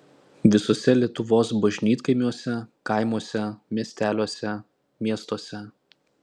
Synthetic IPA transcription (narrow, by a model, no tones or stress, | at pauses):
ʋʲɪsoːsʲɛlʲiɛt̪ʊʋoːsbɐʒʲnʲiːt̪kɐɪmʲuɔsʲɛkɐˑɪmuɔsʲɛmʲiɛsʲt̪ʲæːlʲoɔsʲɛ | mʲiɛst̪oɔsʲɛ